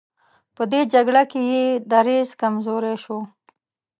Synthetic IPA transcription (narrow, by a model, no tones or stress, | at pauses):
pəd̪ed͡ʒaɡɽakejed̪aɾezkamzoɾeʃo